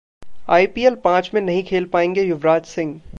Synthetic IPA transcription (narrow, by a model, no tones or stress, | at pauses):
aːipiːelpãːt͡ʃmẽnɐɦĩkʰeːlpaːẽːŋɡejʊʋɾaːd͡ʒsɪ̃ŋɡ